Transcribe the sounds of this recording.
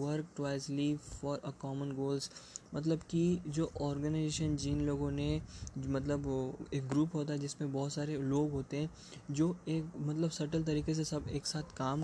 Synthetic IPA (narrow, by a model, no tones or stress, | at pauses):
ʋəɾk̚ʈwaːɪslifɔːɾəkɔːmə̃nɡoːlzmɐt̪̬ləbkid͡ʒoːʔɔːɾɡənaɪzeːʃənd͡ʒiːnloːɡõnemɐt̪̬ləbeːk̚ɡɾuːpɦoːt̪aɦɛd͡ʒɪsmẽbɔːt̪saːɾeloːɡɦoːt̪eɦɛ̃ː | d͡ʒoːeːkmɐt̪ləbsɐɾʈəlt̪̬ɐɾiːkes̬esɐbeːksaːt̪ʰkaːm